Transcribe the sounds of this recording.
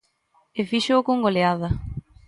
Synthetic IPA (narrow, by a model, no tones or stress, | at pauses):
efiʃoːkoŋɡoleaðɐ